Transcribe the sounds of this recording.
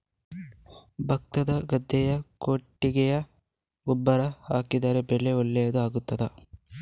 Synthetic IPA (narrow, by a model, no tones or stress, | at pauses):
bʱɐk̚t̪ɐd̪ɐɡɐd̪ʱːɛjɐkoʈːiɡɛjɐ | ubːɐɾɐhaːkid̪aːɾebɛɭeɔɭːɛjɐd̪uaːɡut̪ːɐd̪ɐ